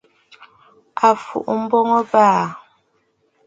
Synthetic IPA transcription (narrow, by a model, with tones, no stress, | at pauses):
a˨fṵ˨ʔm̩˦bɔ˦ŋɔ˦baː˦˨